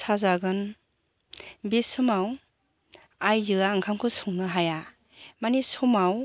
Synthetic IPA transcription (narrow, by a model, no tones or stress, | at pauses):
sazaɡɯn | besɯmaw | ajzɯaːŋkʰamkʰɯsuŋnɯɦaja | manisɔmaw